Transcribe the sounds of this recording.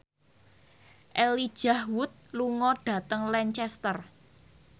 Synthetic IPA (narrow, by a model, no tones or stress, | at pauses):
ʔɛli̥ʒ̥a̤hwʊt̪̚luŋɔɖ̥a̤t̪əŋlɛɲt͡ʃɛst̪ər